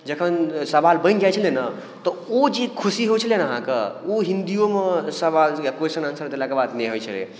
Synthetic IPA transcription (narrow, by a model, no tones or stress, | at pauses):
d͡ʒəkʰənsɐbalbə̃nɡat͡ʃʰəlenə | t̪ɔod͡ʒikʰusiɦot͡ʃʰəlenəɦã̰kə̰oɦĩnd̪ijomesɐbalekwesənɐnsəɾd̪elakebad̪neɦojt͡ʃʰəlḛ